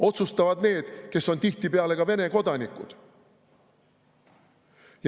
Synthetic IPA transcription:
o̞t̪sust̪ɑvɑd̪ne̞ːd̪̥ke̞sːo̞nt̪iht̪ipeɑle̞kɑve̞ne̞ko̞d̪̥ɑnikːˑṵd̪̥ | j

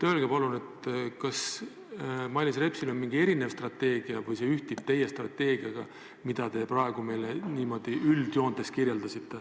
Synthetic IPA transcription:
t̪ølɡ̥epɑlune̞t̪kɑs | mɑlʲːisre̞psilo̞nmiŋɡ̥ie̞ɾine̞vst̪rɑt̪ːe̞ːɡ̥iɑvɯjse̞yht̪ip̚t̪e̞je̞st̪rɑt̪ːe̞ːɡ̥iɑɡ̥ɑ | mid̪̥ɑt̪e̞prɑe̞ɡ̥ume̞jleniːmo̞d̪̥iʔyld̪̥jo̞ːnd̪e̞skirjeld̪ɑsit̪ːe̞

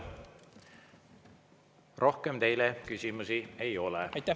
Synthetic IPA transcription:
rʔo̞hke̞mt̪e̞jlekysimusie̞jo̞lɛ̰t̪ːˑæ

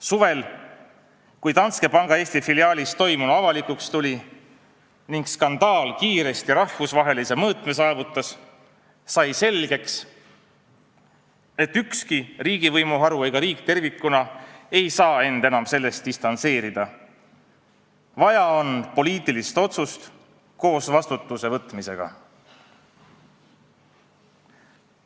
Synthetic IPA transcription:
suve̞l | kujt̪ɑnske̞pɑŋɡ̥ɑe̞ːst̪ifiliɑːlʲist̪o̞jmunuɑvɑlikukst̪ulʲi | niŋɡskɑnd̪̥ɑːlkiːɾe̞st̪iɾɑhvusvɑɦe̞lise̞mɤːt̪mesɑːvut̪ːˑɑsː | ɑjse̞lɡ̥e̞ks | e̞t̪ːykskiriːɡ̥ivɤjmuɦɑɾue̞jɡ̥ɑɾiːkt̪e̞rvikːˑunɑe̞jsɑːe̞nd̪̥enɑmse̞lːe̞st̪̚d̥̪ist̪ɑnt̪se̞ːɾid̪̥ɑ | vɑjɑo̞npo̞liːt̪ːˑilist̪o̞t̪sust̪ | ko̞ːsvɑst̪ut̪ːˑuse̞vɤt̪mise̞̰ɡ̥ɑ̰

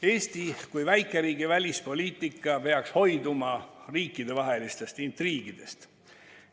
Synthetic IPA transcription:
e̞ːst̪ikujvæjkˑe̞ɾiːɡ̥ivælʲispo̞lʲiːt̪ˑikːˑɑpe̞ɑksho̞jd̪umɑriːkːˑid̪̥e̞vɑɦe̞list̪e̞st̪int̪riːɡ̥id̪̥e̞st̪

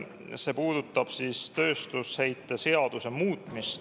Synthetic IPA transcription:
se̞ːpuːd̪̥ut̪ːˑɑb̥siːst̪ø̞ːst̪ushejt̪ˑːe̞se̞ɑd̪̥use̞muːt̪ːˑmist̪

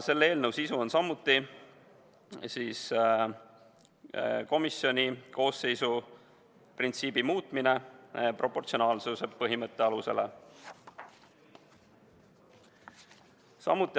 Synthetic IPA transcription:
se̞lːee̞ːlnəwsisuo̞nsɑmːut̪ːˑi | siːs | ko̞misːjo̞nʲiko̞ːse̞jsu | print̪siːbimuːt̪ˑmine̞prʔo̞pːˑo̞rt̪sio̞nɑːlsuse̞pɤɦimɤt̪ːˑe̞ɑluse̞̰le̞̰ | sɑ̰mːut̪ːˑi

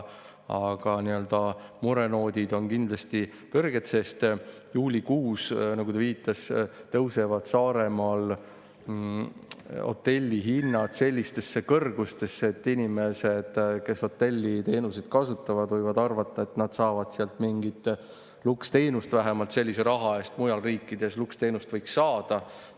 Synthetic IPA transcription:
ɑɡ̥ɑniø̞ld̪ɑmuɾe̞no̞ːd̪̥ʲid̪̥o̞nkind̪̥lɑst̪i | kɤrɡ̥e̞t̪se̞st̪ | juːlʲikuːsnɑɡut̪ɑviːt̪ːˑɑst̪ɤwse̞vɑd̪̥sɑːɾe̞mɑl | o̞̰t̪ːe̞lʲːiɦinːɑt̪se̞lʲːist̪e̞sːe̞kɤrɡ̥ust̪e̞sːeet̪ːinʲime̞se̞d̪̥ke̞so̞t̪ːe̞lʲːit̪e̞ːnusid̪̥̚kɑsut̪ːˑɑvɑd̪vɤjvɑd̪ɑrvɑt̪ːˑɑe̞t̪nɑd̪̥sɑːvɑd̪̥seɑlt̪miŋɡit̪ˑ | lukst̪e̞jnust̪væɦemɑlt̪se̞lʲːiseɾɑɦɑe̞ːst̪mujɑlriːkːˑid̪̥e̞slukst̪e̞jnust̪vɤjksːɑːd̪̥ɑ

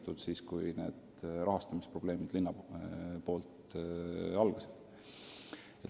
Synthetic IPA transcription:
t̪ːˑud̪̥siːskujne̞̰ːd̪̥ | rɑɦɑst̪ɑmispro̞b̥le̞ːmid̪̥linːɑpo̞ːlt̪ | ɑlɡ̥ɑsid̪̥ | et̪

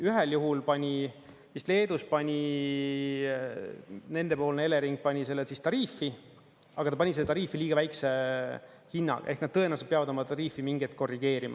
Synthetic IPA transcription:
yɦeljuɦulpɑnʲi | ist̪le̞ːd̪uspɑnʲi | ne̞nd̪e̞po̞ːlneele̞ɾiŋɡ̥̚pɑnʲise̞lːet̪sist̪ɑɾiːfːi | ɑɡ̥ɑt̪ɑpɑniseːt̪ɑɾiːfiliːɡ̥ɑvæjkse | hinːɑ̰ɡɑ̰ʔe̞hknɑd̪̚t̪ːɤ̞enɑsepeɑvɑd̪o̞mɑt̪ɑɾiːfimiŋɡ̥et̪̚ko̞rːiɡ̥e̞ːɾimɑ̰

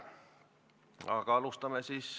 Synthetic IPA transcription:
ɑ̰kɑlust̪ɑmesis

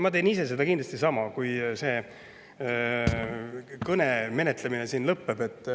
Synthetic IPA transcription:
mɑt̪e̞ːnis̬e̞s̬e̞d̪ɑkind̪lɑst̪isɑmɑkujse̞ː | kɤne̞me̞ne̞t̪lemine̞siːnlɤpːe̞be̞t̪ːˑ

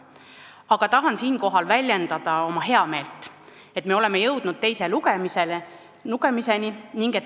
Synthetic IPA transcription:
ɑɡ̥ɑt̪ɑɦɑnsiːnko̞ɦɑlvælʲjend̪̥ɑd̪̥ɑo̞mɑɦe̞ɑme̞ːlt̪ˑ | e̞t̪ːˑme̞o̞le̞mejɤwd̪̥nud̪̥̚t̪e̞jse̞luɡ̥emisel | nuɡe̞mise̞niniŋɡ̥e̞t̪ː

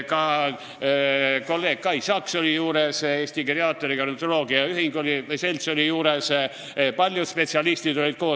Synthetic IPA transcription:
kɑ | ko̞lːe̞ːɡ̥̚kɑjsɑkso̞lʲijuːɾese̞ːsʲt̪ikreɑt̪ːˑoɾikɑrnet̪ːolo̞ːɡ̥iɑyɦiŋɡo̞lʲiselt̪solʲijuːɾes | pɑlʲjuspe̞t̪siɑlist̪id̪olʲid̪̥̚ko̞ː

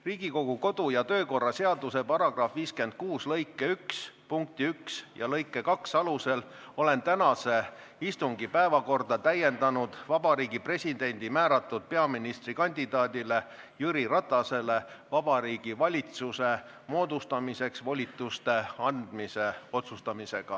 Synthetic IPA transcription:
riːɡ̥iko̞ɡ̥uko̞d̪̥ujɑt̪ø̞ːko̞rːɑse̞ɑd̪use̞pɑɾɑɡ̥rɑfviːske̞nd̪̥̚kuːslɤ̞jkːˑe̞ykspuŋk̚t̪iyksjɑ̰lɤjkˑːe̞kɑksɑluse̞l | o̞le̞nt̪ænɑse̞ | ist̪uŋɡ̥ipæevɑko̞rd̪̥ɑt̪æje̞nd̪ɑnud̪̥vɑb̥ɑɾiːɡ̥ipre̞sʲid̪e̞nʲd̪̥imæːɾɑt̪ːˑud̪̥̚pe̞ɑminist̪rikɑnʲd̪id̪ɑːd̪ile̞ | jyɾiɾɑt̪ːˑɑse̞le̞ | vɑb̥ɑɾiːɡ̥ivɑlʲit̪suse̞ | mo̞ːd̪ust̪ɑmise̞ksvo̞lʲit̪ːˑust̪e̞ɑnd̪̥mise̞o̞t̪sust̪ɑmise̞ɡ̥ɑ̰

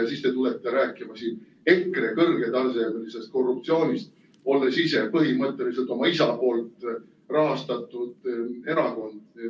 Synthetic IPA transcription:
sist̪e̞t̪ulet̪ːˑe̞ɾæːkːˑimɑsiːn | e̞krekɤrɡ̥e̞t̪ɑrsed̪elise̞st̪̚ko̞rːup̚t̪sio̞ːnʲist̪ | o̞lːesise̞pɤɦimɤt̪ːˑe̞lis̬e̞lt̪ˑo̞mɑisɑpo̞ːlt̪ˑ | rɑɦɑst̪ɑt̪ːˑud̪̥e̞ɾɑko̞nd̪̥

